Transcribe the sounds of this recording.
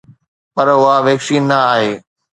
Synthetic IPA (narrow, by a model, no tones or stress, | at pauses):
pɐɾʊɦaʋeːkʃiːnɐaːɦeː